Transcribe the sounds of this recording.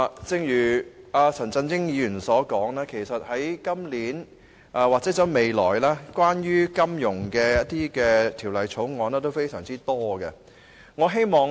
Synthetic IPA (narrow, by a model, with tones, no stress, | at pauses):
t͡sɪ˧ŋjyː˨˩aː˧t͡sʰɐ˨˩nt͡sɐ˧nt͡sɪ˥ŋjiː˨˧yː˨˩nsɔː˨˥kɔː˨˥ŋlɛː˥kʰe˨˩jsɐ˨t̚hɐ˨˥jkɐ˥mliː˨˥n | aː˧waː˨k̚t͡sɛː˨˥t͡sɐ˨˥wme˨˧jlɔː˨˩jlɛː˥kwaː˥nɥyː˥kɐ˥mjʊ˨˩ŋkɛː˧jɐ˥t̚t̪iː˥kɛː˧t̪ʰiː˨˩wlɐ˨jt͡sʰo˨˥wŋɔː˨˧nɛː˥t̪̬o˥wfe˥jsœ̰ː˨˩ŋt͡siː˥t̪ɔː˥ɡɐ̰˧ | ŋɔː˨˧ɦe˥jmɔː˨˧ŋ